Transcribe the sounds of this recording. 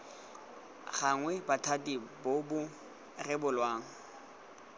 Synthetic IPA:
χaŋwɛbatʰatʼibobʊ | rɪbʊlwaːŋ̩

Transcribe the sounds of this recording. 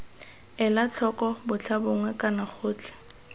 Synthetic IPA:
ɛlat͡ɬʰɔkɔbʊt͡ɬʰabʊŋwɛkʼanaχʰʊːt͡ɬʰɪ̥

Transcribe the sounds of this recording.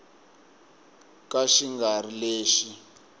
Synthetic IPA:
kaʃiŋɡarileːʃi

